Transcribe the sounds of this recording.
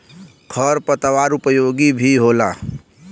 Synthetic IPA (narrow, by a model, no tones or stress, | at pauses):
kʰəɾpət̪əwaɾupəjoɡibʱiɦola̰